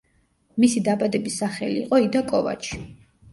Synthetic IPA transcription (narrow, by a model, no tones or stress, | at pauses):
misid̪abad̪ɛbisaχɛliːqʼɔid̪akʼɔva̰t͡ʃʰi̥